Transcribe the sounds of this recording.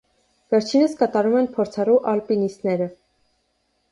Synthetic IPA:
vɛɾt͡ʃʰinəskɑt̪ɑɾumɛnpʰɔɾt͡sʰɑruʔɑlpinist̪nɛɾə

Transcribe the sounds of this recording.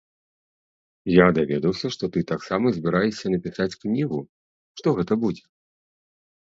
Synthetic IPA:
jad̪avʲɛd̪ɐwsʲɐʂt̪ɔt̪ɨt̪aksamɐzʲbʲiɾajɛsʲːɐnɐpʲisat͡sʲknʲiɣu | ʂt̪ɔɣɛt̪ɐbud͡zʲɛ

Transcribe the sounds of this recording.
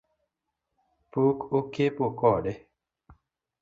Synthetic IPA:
pukokepokɔɗe

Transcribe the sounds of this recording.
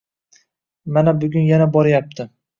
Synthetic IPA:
manabʊɡʲʊnjanabɒɾjap̚t̪ʰɪ

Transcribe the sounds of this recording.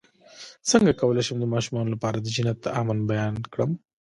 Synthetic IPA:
səŋɡakɐwəlaʃəmd̪əmɑːʃumɑnolapɑːɾad̪əd͡ʒɪnat̪ːaʔamanbajɑːnkɽəm

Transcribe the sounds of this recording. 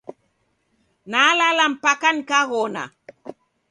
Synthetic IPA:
nalalampakankaɣona̰

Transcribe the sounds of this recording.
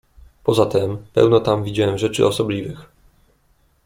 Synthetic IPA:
pɔzat̪ɛmpɛ̰wnɔt̪amvʲid͡ʑawɛmʐɛt͡ʂɘ̰ʔɔsɔblʲivɘx

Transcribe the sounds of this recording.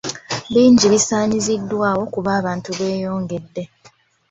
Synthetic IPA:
βiːɲɟiβisaːɲizidːwaːwo̞kuβaːβaːntuβe̞ːjo̞ːŋɡe̞dːe̞

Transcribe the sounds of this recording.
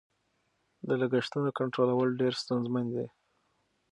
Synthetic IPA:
d̪əlaɡəʂt̪ənokaɳʈɾolawəlɖeɾst̪unzmand̪i

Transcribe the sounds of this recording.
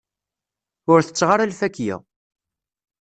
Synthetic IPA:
ʊɾθə̥t͡sːʁaɾalfækːjɪ̰

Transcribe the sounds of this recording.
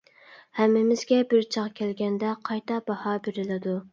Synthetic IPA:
hæmːɪmɪzɡʲɛbɪɾt͡ʃʰɑʁkʲʰælɡʲɛnd̪ɛqʰɑjt̪ʰɑbɑhɑbeɾɪlɪd̪u

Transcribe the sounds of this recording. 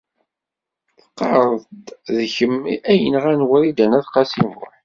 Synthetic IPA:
θə̥qːɑɾˤd̪ðçəmæjə̰nʁænwəɾid̪ænæθqɑsimʊ̰

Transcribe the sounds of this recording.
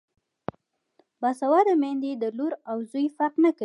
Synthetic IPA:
bɑsawɑd̪əmend̪ed̪əluɾawzujfaqnəka

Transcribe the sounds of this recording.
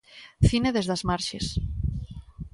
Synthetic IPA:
θineðezðazmaɾʃḛs

